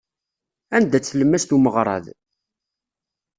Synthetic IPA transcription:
ænd̪æt͡sːləmːæst̪uməʁɾˤɑ̰ð

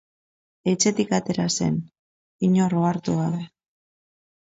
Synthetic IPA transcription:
e̞t͡ʃe̞t̪ikat̪e̞ɾase̞̰n | iɲoroaɾt̪uɣaðe

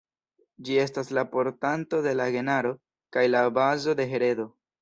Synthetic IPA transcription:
d͡ʒie̞s̬taslapo̞ɾtanto̞de̞laɡe̞naɾo̞ | kajlabazo̞de̞ɦe̞ɾe̞do̞

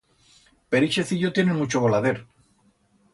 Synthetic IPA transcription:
pe̞ɾiʃe̞θiʎot̪je̞nenmut͡ʃoβolaðeɾ

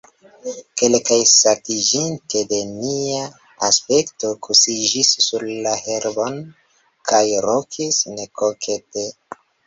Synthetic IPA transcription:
ke̞lkajsatid͡ʒintede̞nia | aspe̞kto̞kʰusid͡ʒisːuɾlaheɾbon | kʰajɾokʰisnekokʰete

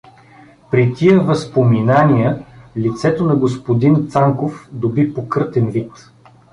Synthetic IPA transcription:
pɾit̪ʲiəvəspominaniəlit̪sɛt̪onɐɡospod̪int̪saŋkofd̪obipokɤɾt̪ɛnvit̪

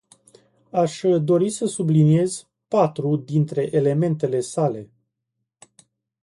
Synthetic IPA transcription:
aʃd̪o̞ɾisəsublinie̞z | pat̪ɾud̪int̪ɾe̞ʔele̞me̞nt̪e̞le̞sale̞

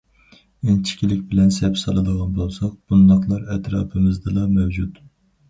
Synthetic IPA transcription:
ɪnt͡ʃʰi̥kʲʰilɪkʲbɪlɛnsɛpsɑlˠɨd̪əʁɑnbolˠsɑq̚b̥und̪ɑqlˠɑɾɛt̪ɾɑ̰ːpʰɨmɪzd̪ɨlˠɑmɛwd͡ʒut̪

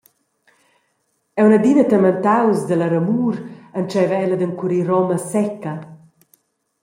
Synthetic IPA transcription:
ɛwnəd̪inət̪əmənt̪awzd̪ələɾəmuːɾənt͡ʃɛvɛləd̪əŋkuɾiɾɔməsɛkɐ

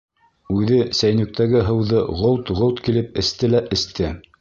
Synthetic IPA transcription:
ʉðɘsæjnɵ̆k̚t̪æɡɘɦɤ̆wðɤʁolˠt̪ʁolˠt̪kilɘp̚ɘ̆st̪ɘlæʔɘ̆st̪ɘ

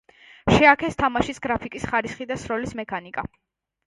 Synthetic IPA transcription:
ʃɛakʰɛst̪ʰamaʃisɡɾapʰikʼisχaɾisχid̪asɾɔlismɛkʰanikʼa̰

